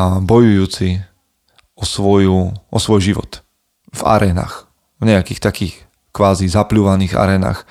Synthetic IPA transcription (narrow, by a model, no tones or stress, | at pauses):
abɔjujuːt͡si | ɔsʋɔjuʔɔsʋɔjʒiʋɔ̰t̪ | va̰ɾɛːna̰ːx | vɲɛakiːxt̪akiːx | kʋaːzizapluːʋaniːɣa̰ɾɛːna̰ːx